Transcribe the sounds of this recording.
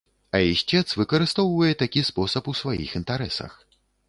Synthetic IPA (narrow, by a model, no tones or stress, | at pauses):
ɐiʃʲɛt̪svɨkɐɾɨst̪ɔwvɐjɛt̪akʲispɔsɐpusvajḭxint̪aɾɛsɐ̰x